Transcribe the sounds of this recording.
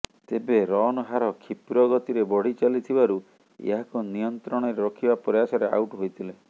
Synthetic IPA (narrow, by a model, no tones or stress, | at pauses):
t̪ebeɾɔnɔɦaɾɔkʰipɾɔɡɔt̪iɾebɔɽ̤it͡ʃalit̪ʰibaɾu | ḛɦakunijɔnt̪ɾɔɽ̃ɔɾeɾɔkʰibapɾɔjasɔɾea̰wʈɦojt̪ʰile